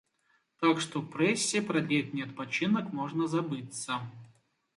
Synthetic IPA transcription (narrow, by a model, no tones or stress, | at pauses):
t̪akʂt̪opɾɛsʲːɪpɾɐd̪ʲlʲet̪ʲnʲɛt̪̚pɐt͡ɕinəkmoʐnəzɐbɨt̪sə